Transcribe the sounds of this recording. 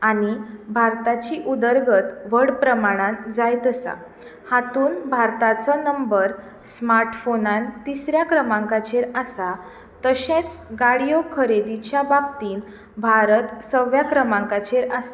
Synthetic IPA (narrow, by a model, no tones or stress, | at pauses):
aɽ̃ibʱaɾt̪at͡ɕiʔud̪əɾɡət̪ʋəɽpɾəmaɽ̃ãnd͡zajt̪əsa̰ | hat̪uːnbʱaɾt̪at͡sɔnəmbəɾ | smaɾʈfonãnt̪isɾjakɾəmãŋkat͡ɕeɾasa | t̪əɕẽt͡sɡaɽijokʰəɾed̪it͡ɕjababt̪iːn | bʱaɾət̪səʋjakɾəmãŋkat͡ɕeɾas